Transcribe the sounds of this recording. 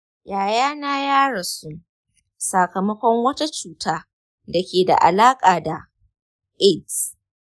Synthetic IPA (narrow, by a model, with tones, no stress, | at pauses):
jaː˨jaː˦naː˦jaː˦ɽɐ˨su˦ | sa˨kɐ˨mɐ˦kʷɔ˦ŋwɐ˦ta˦t͡ʃuː˨taː˦ | da˨kʲeː˨da̰˨ʔa̰˨laː˦kʼaː˨da˨ | ʔɪ˦˨t